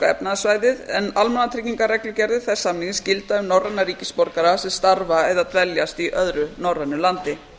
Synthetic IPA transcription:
ɛ̰pnaðsvaːjðɪðɛnalmanat̪ʰɾɪcniŋkarɛklʏcɛɾðɪθɛsːamniŋscɪlt̪aʏmnawrɛnːaɾiːcɪspɔɾkaɾasɛmst̪aɾvaɛðat̪vɛljast̪iʔœðɾʏnawrɛnːʏlant̪ɪ

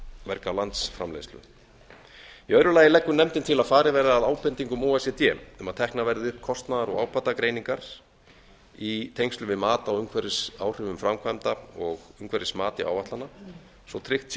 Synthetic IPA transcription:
vɛɾkalant̪sfɾamlḛjst̪lʏ̰ | iœːɥɾʏlajɪlɛkːʏnɛmt̪ɪnt̪ʰɪlaðfaːɾɪvɛːɾaaðaːwpɛnt̪iŋkʏmoːɛsɛt̪jɛmʏmaðt̪ʰɛhknaɾvɛɾðɪʏhpkʰɔst̪naðaɾɔ̰ɣa̰ːwpʰat̪akɾeːjniŋkaɾ̥ | it̪ʰejŋst̪ʏvɪðmaːt̪awʏmkʰvɛɾɪsaːwr̥ʏvʏmfɾamkʰvajmt̪aɔɣʏmkvɛɾɪsmaːt̪ɪ̰ʔa̰wvaht̪lana | sɔt̪ʰɾɪht̪s

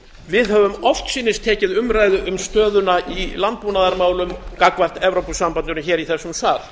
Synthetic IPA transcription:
vɪðhœvʏmɔft̪siːnɪst̪ʰɛːcɪðʏmɾaːjðʏʔʏmst̪œːðʏnaʔilant̪̚puːnaðaɾmaːwlʏmkakvar̥t̪ɛvɾowpʏsampanʏnʏçɛːɾiθɛsːʏmθaːl

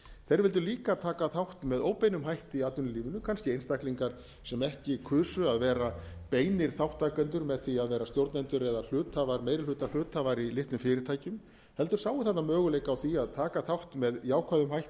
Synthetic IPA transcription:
θejɾvɪlt̪̬ʏɾliːkat̪ʰaːkaθawht̪mɛðoːwpejnʏmɦajht̪ɪiat̪ʏnɪliːvʏnʏkʰanscɪejnst̪ahkliŋkaɾ̥ | sɛmɛhcɪːkʰʏːsʏaðvɛːɾapeːjnɪɾ̥θawht̪ːakœnt̪ʏɾmɛðθiaðvɛːɾast̪jowɾt̪nɛnt̪ʏɾɛðal̥ʏːt̪ʰavaɾmeːjɾɪlʏːt̪ḁlʏːt̪havaɾilɪht̪nʏmfɪːɾɪɾt̪ʰaːjcʏm | hɛlt̪ʏɾ̥saːwɪθɛht̪ːamœːɣʏleːjkawθiaðt̪ʰaːkaθawht̪mɛðjaːwkʰvaðʏmhajht̪

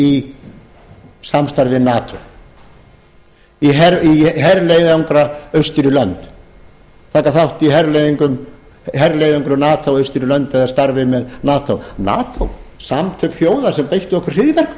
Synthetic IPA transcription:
i | samst̪aɾvɪnaːt̪ʰow | iɦɛɾiɦɛɾlejðuŋkɾaœɥst̪ʏɾʏlœnt̪ | θaːhkaθawht̪iɦɛɾlejðiŋkʏm | ɦɛɾlejðaŋkɾʏnaːt̪ʰowœɥst̪ɪɾɪlœnt̪ɛðast̪aɾvɪmɛðnaːt̪ʰowna̰ːt̪ʰowsamt̪ʰœkθjoːwðḁsɛmpejht̪ʏɔhkʏr̥r̥ɪðvɛr̥k

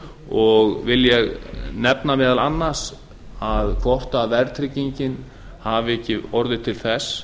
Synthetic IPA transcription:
ɔɣvɪljɛɣnɛpnamɛːðalanːaɾ̥s | aðkʰvɔht̪aðvɛɾt̪ʰɾɪciɲcɪn | havɪɛhcːɪɔɾðɪt̪ʰɪlθɛs

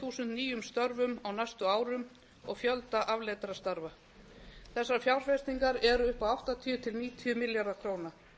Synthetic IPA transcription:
θuːsʏnt̪niːjʏmst̪œɾvʏmawnajst̪ʏaːwɾʏm | ɔɣfjœlt̪aʔavleːt̪ɾast̪aɾva | θɛsːaɾfjawɾ̥fɛst̪niŋkaɾɛɾʏʏhpawaht̪at̪ʰiʏt̪ʰɪlniːt̪ʰiʏmɪljaɾðakʰɾoːwna

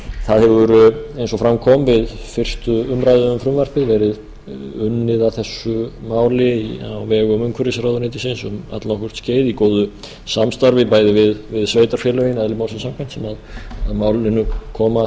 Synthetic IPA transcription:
θaðhɛɾʏɾejnsɔfɾamkʰɔmvɪðfɪr̥st̪ʏʏmɾajðʏʏmfɾʏmvar̥pɪðvɛːɾɪð | ʏnːɪðawθɛsːʏmaːwlɪia̰wvɛːɣʏmʏŋkʰvʏɾɪsɾaːwðʏɾnɪːt̪ɪsɪnsʏma̰t̪lnɔhkʏ̥ɾ̥t̪sceːjðikoːwðʏ | samst̪aɾvɪpaːjðɪvɪðvɪðsveːjt̪aɾ̥fjɛlœjɪnɛðlɪmaːwlsɪnsamkʰant̪sɛmaðaðmaːwlɪnːʏkʰɔːma

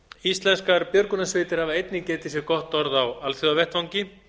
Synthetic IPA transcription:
ist̪lɛnskaɾpjœɾkunasvɪːt̪ɪɾ̥havaejt̪nɪcɛːt̪ɪsjɛɾkɔht̪ɔɾðawalθjɔavɛht̪vawŋcɪ

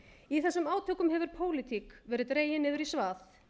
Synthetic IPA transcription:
iθɛsːʏmaːwt̪ʰœːkʏmɦɛvʏɾ̥pʰoːwlɪt̪ʰikvɛːɾɪðt̪ɾeːjɪnɪːðʏɾisvaːθ

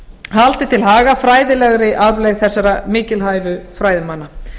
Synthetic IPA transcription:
halt̪ɪt̪ʰɪlɦaːɣafɾaːjðɪlɛɣɾɪʔaðlɛɣθɛsːaɾamɪːcɪlɦaːjvʏfɾaːjðɪmanːa

